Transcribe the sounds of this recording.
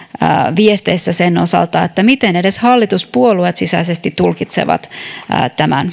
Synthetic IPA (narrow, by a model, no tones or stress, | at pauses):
ʋiest̪eːsːæsenosɑ̰lt̪ɑet̪ːæmit̪enedeshɑlːit̪uspuoluet̪sisæisest̪it̪ulkit̪sḛʋɑ̰t̪ːt̪æmæ̰n